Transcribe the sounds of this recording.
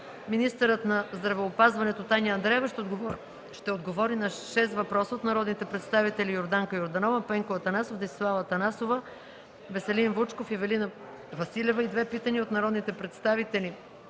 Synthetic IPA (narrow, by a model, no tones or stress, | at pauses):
minist̪əɾət̪nɐzd̪ɾɐvɛːpazvɐnɛt̪ot̪anʲəɐnd̪ɾɛɛvəʃ | ʃt̪ɛod̪ɡovɔɾinɐʃɛst̪vɐpɾɔsəot̪nɐɾɔd̪nit̪ɛpɾɛt̪st̪avit̪ɛlijoɾd̪aŋkəjoɾd̪ɐnɔvəpɛŋkovɐt̪ɐnasofd̪ɛsʲslˠavət̪ɐnasovə | vɛsɛlinvut͡ʃkofivɛlinə | vɐsilʲɛvəid̪vɛpit̪əniot̪nɐɾɔd̪nit̪ɛpɾɛt̪st̪avit̪ɛli